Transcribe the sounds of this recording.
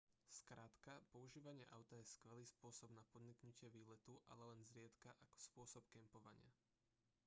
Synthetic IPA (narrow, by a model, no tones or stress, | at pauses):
skɾaːt̪kapɔuʒiːʋaɲɪɛʔaʊt̪ajɛskʋɛliːspʊɔsɔbnapɔd̪ɲiknucɪɛʋiːlɛt̪uʔa̰lɛlɛnzɾɪɛt̪kaʔakɔ̥spʊɔsɔpkɛmpɔʋa̰ɲɪa̰